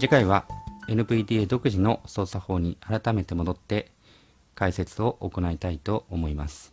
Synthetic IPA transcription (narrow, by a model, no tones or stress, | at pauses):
d͡ʑikaiβ̞ae̞nɯ̟biːd̪ʲiːed̪o̞kɯ̟ʑino̞so̞ːsaho̞ːɲ̟iaɾat̪ame̞t̪e̞mo̞d̪o̞t̪ːe̞ | kaise̞t͡sɨo̞ʔoko̞nait̪ait̪o̞omo̞imasɨ̥